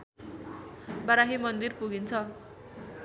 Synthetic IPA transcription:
bʌɾaɦimʌnd̪irpuɡint͡sʰʌ

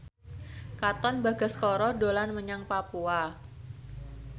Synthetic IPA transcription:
kat̪ɔnbaɡa̤skɔɾɔdolanməɲaŋpapua

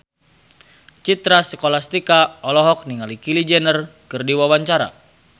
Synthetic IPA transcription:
t͡ʃit̪ɾasəkolast̪ikaɔlɔɦɔk̚niŋalikilid͡ʒɛnərkɨrdiwawaɲt͡ʃaɾa̰

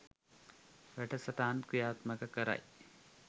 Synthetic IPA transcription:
ʋɐʈɐsɐʈ̪aːnkujaːt̪mɐkɐkɐɾa̰j

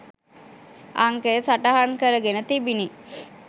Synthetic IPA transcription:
aŋkesaʈaɦaŋkəɾəɡenət̪ibini

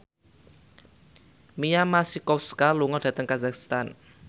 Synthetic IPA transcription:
mijamasikɔfskaluŋɔd̥ä̤t̪əŋkazakst̪an

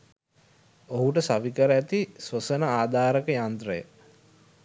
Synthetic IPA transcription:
oɦuʈəsaʋikəɾæt̪isʋəsənəaːd̪ʱaːɾəkəjant̪ɾəjə̰

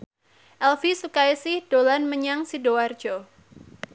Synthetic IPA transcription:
ʔɛlfisukajsɪhd̥olanməɲaŋsidoward͡ʒo

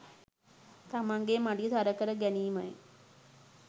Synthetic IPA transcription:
t̪amaŋɡemaɖit̪aɾəkəɾəɡæniːmaj

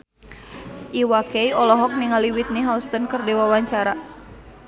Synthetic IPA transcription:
ʔiwakɛjɔlɔɦɔk̚niŋaliwit̪̚niɦaust̪ənkərdewawaɲt͡ʃaɾa

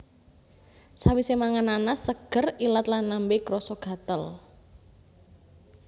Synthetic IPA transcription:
sawisemaŋananasəɡ̥ə̤rilat̪lanːambeɡɾɔsɔɡ̥ä̤t̪əl

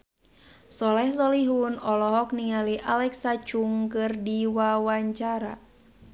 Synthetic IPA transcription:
sɔlɛhs̬ɔliɦunɔlɔɦɔk̚niŋaliʔalɛksat͡ʃuŋkɨrdiwawaɲt͡ʃaɾa̰

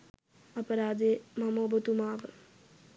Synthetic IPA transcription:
ɐpɐɾaːd̪emɐmoːbɐt̪umaːʋə

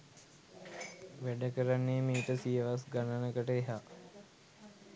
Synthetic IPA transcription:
ʋæɖəkəɾanːeːmiːʈəsijəʋasɡananəkəʈəeɦaː

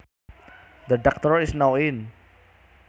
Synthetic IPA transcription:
d̪əɖɔk̚t̪ɔɹisnawɪn

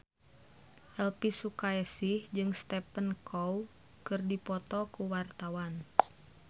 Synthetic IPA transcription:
ʔɛlpisukaɛsihd͡ʒɨŋst̪ɛpənkʰɔw | kɨrdipɔt̪ɔkuwart̪awan

